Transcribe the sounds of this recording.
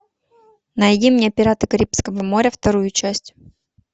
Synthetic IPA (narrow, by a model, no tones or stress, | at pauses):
nɐjdʲimnʲeɐpʲɪɾat̪ɨkɐɾʲipskəvəmo̞ɾʲəft̪ɐɾujʊt͡ɕæsʲtʲ